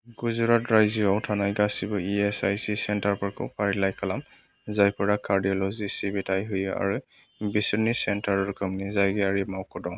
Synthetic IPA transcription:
ɡuzʊɹatɹajziawtʰanajɡasibɔiɛsajsisɛntaɹpɔɹkɔ̰pʰaɹilajkʰalam | zajpɔɹakaɹdiɔlɔzisibitajɦuja̰ɹu | bisinisɛntaɹɔɹkʰɔmnizajɡɛaɹimawkɔdɔ̃w̃

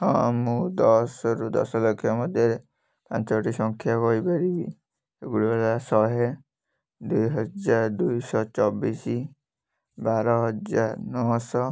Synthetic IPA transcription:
ɦɔ̰̃mũd̪ɔsɔɾud̪ɔ̰sɔlokʰjɔmɔd̪ʱjɔɾe | pãnt͡ʃɔʈisɔŋkʰjakɔipaɾibḭ | eɡuɽibalasɔɦe | d̪ujɦɔd͡ʒaɾd̪ujsɔt͡ʃɔbisi | baɾɔɦɔd͡ʒaɾnɔsɔ

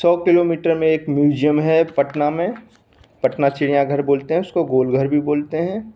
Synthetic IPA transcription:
sɔːkɪloːmiːʈəɾmẽeːkmjuːd͡ʒijəmɦɛpɐʈnamẽ | pɐʈnat͡ʃɪɽijãɡʱɐɾboːlt̪eɦɛ̃ʊskoɡoːlɡʱəɾbʱiboːlt̪eɦɛ̃ː

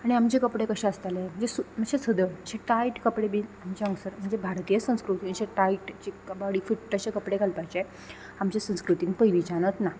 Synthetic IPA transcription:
aɽ̃iamt͡ɕekəpɽekəɕãəst̪alem̤əɳd͡zesum̤əɕẽsəd̪ət͡ɕeʈaiʈkəpɽebiːamt͡ɕeə̃ŋsəɾm̤əɳd͡zebʱaɾt̪ijəsə̃w̃skɾut̪iːnt͡ɕeʈaiʈt͡ɕebaɽiːfiʈʈəɕekəpɽeɡʱalpajt͡ɕe | amt͡ɕesə̃w̃skɾut̪iːnpəjʋiːt͡ɕañət̪na

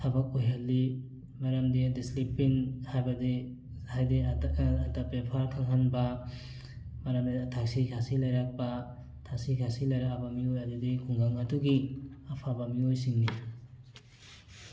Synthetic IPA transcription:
tʰabak̚ujɦalːi | maɾamdidislipiŋhajbadi | hajdiatapepʰaɾkʰaŋɦanba | maɾamdiatʰak̚sikʰasilajɾak̚ba | tʰaksikʰasilajɾakabamiojɐdudikʰuŋɡaŋɐduɡiapʰabamiojsiŋni

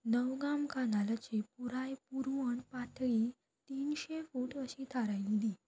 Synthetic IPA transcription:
nəʋɡamkanalat͡ɕepuɾajpuɾʋəɳpat̪ʰɭi | t̪iːnɕefuːʈəɕit̪ʰaɾajlid̪i

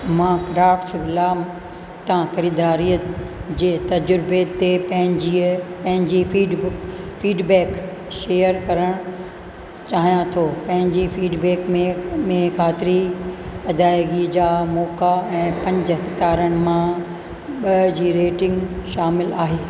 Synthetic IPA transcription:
mãːɡɾaːfʈsɪblaːm | t̪ãxɐɾiːd̪aːɾijəd͡ʑeːt̪ɐd͡ʑɾɪbet̪epɐ̃ɦɪ̃ɲipɐ̃ɦɪ̃ɲd͡ʑiiːɖfiːɖbɛːkʃeːjəɾkɐɾəɽ̃ | t͡ɕaːɦijãt̪ʰoːpɐ̃ɦɪ̃ɲd͡ʑifiːɖbɛːkmẽmẽkʰaːt̪ɪɾiɐd̪ʱaːjɡid͡ʑaːmɔːkaɛ̃ːpɐ̃ɲd͡ʑə̆sɪt̪aːɾəɽ̃ɪ̆mã | ɓɐd͡ʑiːɾeːʈɪ̃ŋɡʃaːmɪlaːɦeː

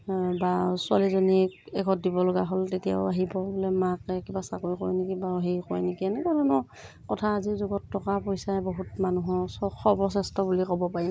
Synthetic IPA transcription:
basʊa̰lizɔniɛɡʱɔt̚dibɔlɔɡaɦoltetija̰ʊaɦibɔbolɛmakɛkibasakoikɔjnikibaɦejkɔjnikiɛnɛkaɹɔnɔ | kɔtʰaːzizuɡɔtːɔkapojsajboɦutmanuɦɔsɔxʰɔpɔs̬ɛstɔbulikɔbɔpaɹi

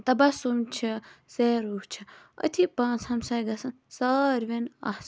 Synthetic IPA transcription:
t̪ɐbasumt͡ʃʰiseːɾuːht͡ʃʰi | ɐ̰t̪ʰipãːnt͡shɐmsɐjɡɐsɐn | sɐɾʋena̰s

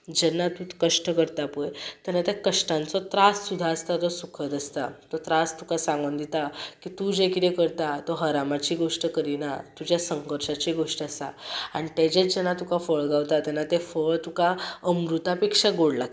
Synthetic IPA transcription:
d͡ʑɛnːat̪ukəʂʈəkəɾt̪apəjt̪janːat̪jakəʂʈãnt͡sɔt̪ɾassud̪ʱːaəst̪at̪ɔsukʰət̪əst̪at̪ɔt̪ɾast̪ukasãŋɡənd̪it̪akit̪ud͡ʑekit̪ɛkəɾt̪at̪ɔɦəɾamat͡ɕiɡoʂʈəkəɾinat̪ud͡ʑjasəŋkəɾʂat͡ɕiɡoʂʈəəsa̰a̰ɽ̃it̪ed͡ʑet͡sd͡ʑɛnat̪ukafəɭɡawt̪at̪ɛnːat̪ɛfəɭt̪ukaəmɾut̪apekʂaɡoɽla

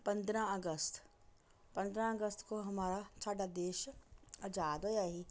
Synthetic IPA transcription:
pɐ̃nd̪ɾãəɡəst̪ | pɐ̃nd̪ɾãɐɡəst̪koɦɐmaːɾat͡ʃʰaːɖad̪eːʃɐd͡ʒaːd̪ojaɦi

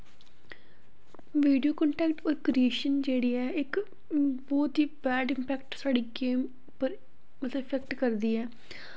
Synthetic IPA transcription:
ʋiːɖijoːkɔ̃ːɳʈɛːk̚ʈoːɾkɾieːʃənd͡ʒeːɽiːɛːɪk | bɔːt̪iːbɛːɖɪmpɛːkʈsaːɖiːɡeːm | pəɾ | mət̪ləɪpʰɛkʈkəɾd̪iːɛː

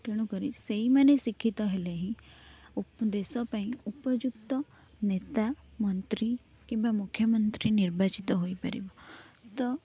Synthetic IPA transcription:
t̪eːɽ̃ũkəɾiseimɛ̃ːnẽsɪkʰːit̪aɦeleɦĩʊpd̪eːsɔpaːĩʊpəd͡ʒʊkt̪ə | neːt̪amənt̪ɾiː | kɪ̃mbamʊkʰːjəmənt̪ɾinɪɾbaːt͡ʃɪt̪aɦoːipə̰ɾḛbot̪ɐ

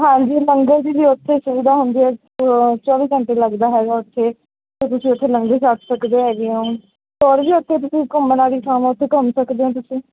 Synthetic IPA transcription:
ɦãːd͡ʒiːləŋɡeːd͡ʒiːd͡ʒ̪iːʊt̪ʰːeːʃʊʋiːd̪aːɦʊnd̪iːɛː | t͡ʃɔːʋiːə̃ɳʈeːləɡd̪aːɦɛːɡaːʊt̪ʰːeː | t̪et̪ʊsĩːʊt̪ʰːeːləŋɡeːt͡ʃaʈʰsəkd̪eːɦɛːɡiõː | t̪oːɽbiːʊt̪ʰːeːt̪̬ʊsĩːkʊmːənaːɾiːkʰaːmãːʊt̪ʰːeːkəmsəkd̪eːɦãːt̪ʊsĩː

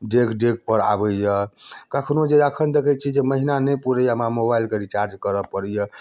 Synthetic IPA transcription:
ɖekɖeɡ̚pəɾa̰bəjəkəkʰnod͡ʒeəkʰənd̪ekʰət͡ʃʰid͡ʒeməɦinanəpuɾəjamamobailkeɾit͡ʃaɾd͡ʒkəɾəpəɾɛjə

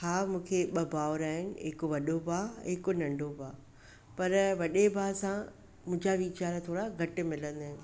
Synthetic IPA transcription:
haːmũːkʰeɓɐbaːʊɾaːɦɪnɪ̆ɦɪkʋɐɗobʱaːɦɪkonɐ̃ɳɖʱobʱaː | pɐɾʋɐɗebʱaːsã | mʊ̃ɦɪ̃ɲd͡ʑaʋiːt͡ɕaːɾat̪ʰoːɽaɡʱɐʈɪ̆mɪlə̃nd̪aːɦɪnɪ̆

